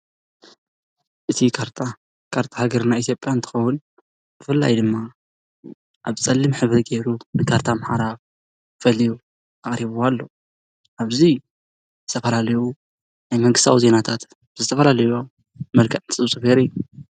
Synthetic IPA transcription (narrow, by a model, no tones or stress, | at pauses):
ʔɨt̪ʰikʰaɾt̪ʰa | kʰaɾt̪ʰahaɡɐɾɨnaʔit̪ʰjopʼjaɨnt̪ʰɨ̥xɐwʊn | b̥ɨfɨlːa̰jd̪ɨmːa | ʔaβt͡sʼɐlːɨmħɨβɾɨɡeɾunɨkʰaɾt̪ʰamħaɾaβ | fɐliju | aχʼɾiβualːo̞ | ʔaβzi | zɨt̪ʰɐfɐlalɐju | najmɐŋɡɨst̪ʰawize̞nat̪ʰat̪ | bɨzɨt̪ʰɐfɐlalɐjuo | mɐlkʰɐʔnsʼɨβsʼɨbeɾɨjːu